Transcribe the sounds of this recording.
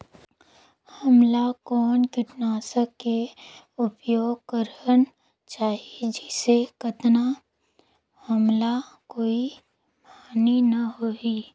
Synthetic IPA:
hɐmlakɔːnt̪ʊʈnaːsəkːe | ʊpjoːɡ̚kəɾən | t͡ʃaːɦied͡ʒɛsekət̪na | hɐmlakoːi | paːninɐɦoi

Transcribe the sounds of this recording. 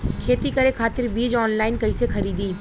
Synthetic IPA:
kʰeːt̪ikɐɾekʰaːt̪ɪɾbiːd͡ʒɔːnlaːɪnkɐisexʰɐɾiːd̪iː

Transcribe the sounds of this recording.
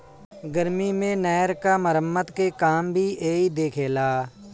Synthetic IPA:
ɡəɾmimẽnɛːəɾkaməɾəmːət̪kekaːmbʱiʔeːid̪eːkʰeːlaː

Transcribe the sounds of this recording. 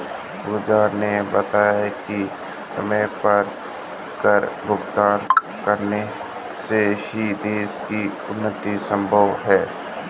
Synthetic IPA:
bʊd͡ʒaːɾnebət̪aːjaki | səməjpəɾ | kəɾbʱʊɡt̪aːn | kəɾne | sehid̪eːski | ʊnːət̪isə̃mbʱəʋɦɛː

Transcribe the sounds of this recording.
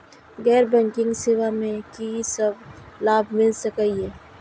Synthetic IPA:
ɣɛːɾbɛ̃ŋkɪ̃ŋɡsɪwamẽkisəblaːbʱmɪlsəkaiɦɛː

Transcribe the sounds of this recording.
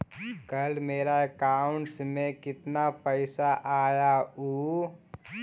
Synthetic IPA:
kɐlmeːɾaɛkaːʊɳʈsmẽkɪt̪napəɪsaʔaːjauː

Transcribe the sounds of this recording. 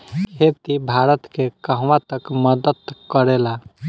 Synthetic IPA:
kʰet̪ibʱaɾət̪kekəɦwat̪əkməd̪əd̪kəɾela

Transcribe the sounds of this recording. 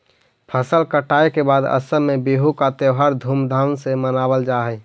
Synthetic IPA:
pʰəsəlkəʈaːekebaːd̪ə̰səmẽbeɦukat̪eɦaɾd̪ʱumd̪ʱawnsemənabəld͡ʒaɦɛ

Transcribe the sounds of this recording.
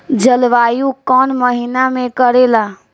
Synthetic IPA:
d͡ʒəlʋaːjũkɔːnməɦinamẽkəɾela

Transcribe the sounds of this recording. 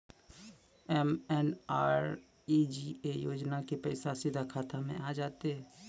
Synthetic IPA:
ɛmɛnaːɾ | iːd͡ʒiejoːd͡ʒnakepɛɪsasɪd̪ʱakʰaːt̪ʰamḛ̃ʔaːd͡ʒaːt̪eɦɛː

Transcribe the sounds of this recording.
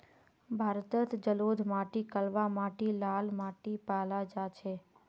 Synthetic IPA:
bʱaɾt̪ət̪d͡ʒəlod̪ʱmaʈikəlʋamaʈilalmaʈipalad͡ʒat͡ʃʰe

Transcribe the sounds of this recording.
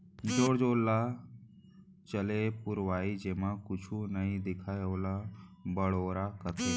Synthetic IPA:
d͡ʒoːɽd͡ʒoːlːa | t͡ʃəlepʊɾʋaːid͡ʒeːmãkʊt͡ʃʰunəɦĩd̪ɪkʰaːjoːlabəɽoːɾakət̪ʰe

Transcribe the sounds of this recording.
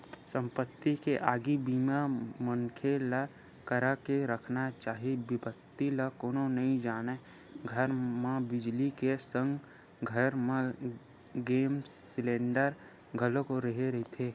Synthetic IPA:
sə̃mpət̪ːikeʔaːɡibiːmamənkʰela | kəɾakeɾəkʰnat͡ʃaːɦibɪpət̪ːilakoːnonɐɦĩd͡ʒaːne | ɡʱəɾmãbɪd͡ʒlikesə̃ŋɡ | ɡʱəɾmẽ | ɡeːmssɪlẽːɳɖəɾ | ɡʱəlõkoɾəɦeɾɐɦit̪ʰeː

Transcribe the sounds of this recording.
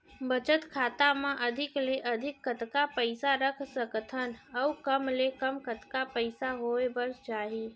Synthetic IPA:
bət͡ʃət̪kʰaːt̪amẽʔəd̪ʱɪkleʔəd̪ʱɪkːət̪kapəɪsaɾəkʰsəkt̪ʰənəukəmlekəmkət̪kapəɪsaɦoebəɾst͡ʃaːɦi

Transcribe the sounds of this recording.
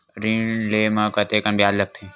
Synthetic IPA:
ɾinlemakɐt̪ekɐnbʱjaːd̪lɐk̚t̪ʰẽ

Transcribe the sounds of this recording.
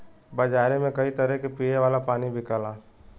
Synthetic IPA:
bɐd͡ʒaːɾemẽkɐit̪ɐɾɛkepiːeʋaːlapaːnibʱɪkəlaː

